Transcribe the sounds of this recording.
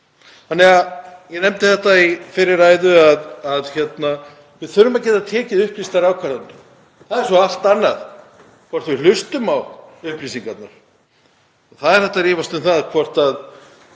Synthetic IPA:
θanːɛɣajɛnɛmt̪ɪθɛht̪aifɪɾɪɾaːjðʏaðaðçɛt̪na | vɪðθʏɾʏmaðcɛːt̪at̪ʰɛːcɪðʏhplist̪aɾawkʰvaɾðat̪na | θaðɛɾ̥sɔal̥t̪anːað | kʰvɔr̥t̪vɪlʏst̪ʏmawʏhplisiŋkat̪naɾ̥ | θaðɛɾθɛht̪ːaɾiːvast̪ɛnθaðkʰvɔr̥t̪að

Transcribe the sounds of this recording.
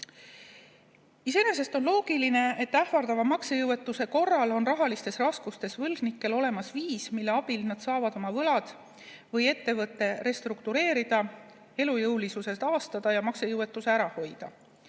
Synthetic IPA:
ise̞ne̞se̞st̪o̞nlo̞ːɡ̥iline̞et̪ːæhvɑrd̪ɑvɑmɑksejɤwe̞t̪ːˑuse̞ko̞rːɑlo̞nrɑɦɑlist̪e̞srɑskust̪e̞svɤlɡ̥nikːˑe̞lo̞le̞mɑsviːsmilːe̞ɑb̥ilnɑd̪̥sɑːvɑd̪o̞mɑvɤlɑd̪̥ | vɤje̞t̪ːe̞vɤt̪ːe̞re̞st̪ɾukt̪uɾe̞ːɾid̪̥ɑ | e̞lujɤwlisuse̞st̪ɑːst̪ɑd̪̥ɑjɑmɑksejɤwe̞t̪ːˑuse̞æɾɑho̞jd̪̥ɑ

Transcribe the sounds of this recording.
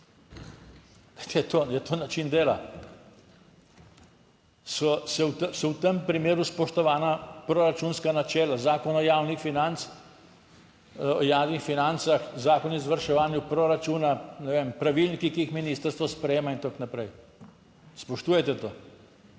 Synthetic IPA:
t̪ɛjɛt̪ojɛt̪oːnat͡ʃind̪eːla | sɔsɛwt̪sɔwt̪əmpɾimeːɾuspɔʃt̪ɔʋaːnapɾɔɾat͡ʃuːnskanat͡ʃɛːlazaːkɔnɔjaːwnixfinant̪s | ɔjaːwnixfinant̪saxzaːkɔnizʋaɾʃɛʋaːnjupɾoɾat͡ʃuːnanɛʋeːmpɾaʋilnikikiixminiːst̪əɾst̪ʋɔspɾɛjeːmaint̪oknapɾɛj | spɔʃt̪uːjɛt̪ɛt̪oː

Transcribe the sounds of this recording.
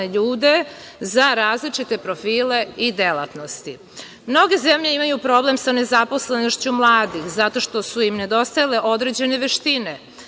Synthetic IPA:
eʎuːd̪e̞zaɾaːzlit͡ʃit̪e̞pɾo̞fiːle̞id̪e̞lˠa̰t̪nost̪i | mno̞ɡe̞ze̞mʎe̞imajupɾo̞ble̞msane̞zapo̞sle̞noʃt͡ɕumlˠaːd̪ixzat̪o̞ʃt̪o̞suimne̞d̪o̞st̪ajale̞ʔo̞d̪ɾed͡ʑe̞neʋeʃt̪ine

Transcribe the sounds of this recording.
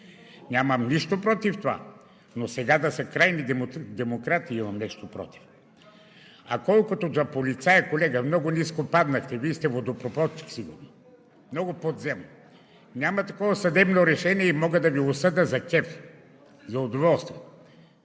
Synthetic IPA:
nʲaməmniʃt̪opɾɔt̪ift̪ova̰ | nosɛɡad̪ɐsɐkɾajnid̪ɛmokɾat̪iimɐmnɛʃt̪opɾɔ̰t̪i̥f | ɐkɔlˠkʊt̪ozɐpolit̪sajəkolɛɡəmnɔɡʊniskopad̪nəxt̪ɛvist̪ɛvod̪opɾopɔt͡ʃi̥ksiɡʊɾno | mnɔɡopod̪zɛmo | nʲamɐt̪ɐkɔvɐsɐd̪ɛbnoɾɛʃɛniɛimɔɡəd̪ɐviosəd̪əzɐkɛf | zɐod̪ovɔlˠst̪vɛ

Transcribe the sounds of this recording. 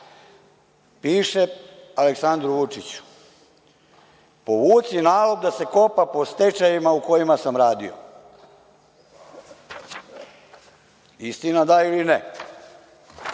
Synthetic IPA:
piːʃe̞aleksand̪ɾuʋut͡ʂit͡ɕu̥ | po̞ʋuːt̪sinaːlobd̪ase̞ko̞papo̞st̪e̞t͡ʃajimauko̞jimasamɾaːd̪io̰ | ist̪inad̪ailine

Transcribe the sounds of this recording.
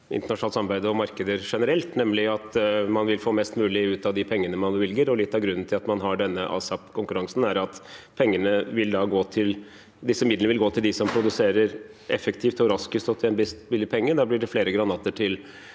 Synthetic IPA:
ɪ̰nt̪əɳɑʂʊnɑːsɑmbæɪd̪ɔmɑɾkəd̪əɾʂɛnəɾɛlt̪nɛmlɪɑt̪mɑnʋɪlfoːmɛst̪mʉːlɪʉːt̪ɑʋd̪ɪpʰɛŋːənəmɑnʋɛlɡəɾɔlɪt̪ːɑʋɡɾʉnːn̩tʰɪlɑt̪mɑnɦɑɖɛnːəʔɑ̰ːsɑpkʰʊŋkʉɾɑŋsn̩æɾɑt̪pʰɛŋːənəʋɪld̪ɑɡoːt̪ʰɪl | d̪ɪsːəmɪd̪lnʋɪlɡoːt̪ʰɪld̪ɪsɔmpʰɾʊd̪ʉseːɾəɾ | ɛfːəkt̪ʰiːft̪ɔɾɑskʉst̪ɔt̪ʰɪɛnbɪst̪bɪlːɪpʰɛŋːəd̪ɑblɪɖɛfleːɾəɡɾɑnɑːt̪əʈʰɪl

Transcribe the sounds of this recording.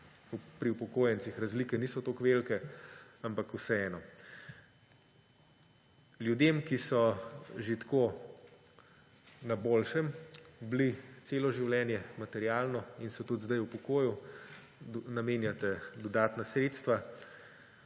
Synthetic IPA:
upɾiupɔkoːjɛnt̪sixɾazliːkɛniːsɔt̪okʋelkɛampakusɛɛːnɔ | ljud̪emkisɔʒit̪ko | naboːlʃɛmblit̪seːlɔʒiwlɛːnjɛmat̪ɛɾjaːlnɔinsɛt̪ut̪zd̪ajupɔkoːju | nameːnjat̪ɛd̪ɔd̪aːt̪nasɾeːt̪st̪ʋa

